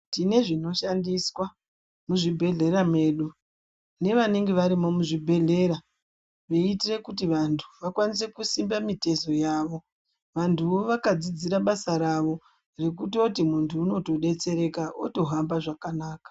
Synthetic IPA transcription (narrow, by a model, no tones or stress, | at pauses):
tine̞ʐino̞ʃandiswa | muʐibʱe̞ɮe̞ɾame̞ːɗu | ne̞ʋaneŋɡeʋaɾimo̞muʐibʱe̞ɮe̞ɾa | ʋeitire̞kutiʋantʰu̥ʋakwanis̬e̞kusimbamite̞zo̞jaːʋo̞ | ʋantʰuoʋakad͡zid͡ziɾaɓasaɾaʋo̞ | re̞k̬utio̞timuntʰuːno̞to̞ɗe̞t͡se̞ɾe̞kao̰to̞ɦambaʐakanaːkḁ